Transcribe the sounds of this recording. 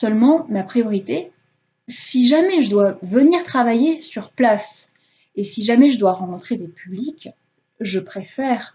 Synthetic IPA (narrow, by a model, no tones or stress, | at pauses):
sœlmɑ̃mapχijɔʁit̪e | siʒamɛʒəd̪wavəniʁt̪χavajesyʁplas | esiʒamɛʒəd̪waʁɑ̃kɔ̃t̪χed̪epʰyblik | ʒəpχefɛːʁ